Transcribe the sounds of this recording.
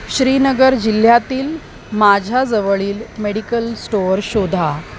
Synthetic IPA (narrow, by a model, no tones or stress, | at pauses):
ɕɾiːnəɡəɾd͡ʑil̤ːjat̪iːl | mad͡ʑʱjad͡zəʋəɭiːlmeɽikəlsʈoɾɕod̪ʱa